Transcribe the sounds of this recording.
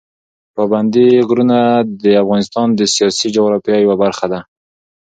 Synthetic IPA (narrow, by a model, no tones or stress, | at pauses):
pɑband̪iɣɾunad̪əafɣɑnɪst̪ɑnd̪əsijɑsid͡ʒoɣɾɑfjɑjawabaɾxad̪a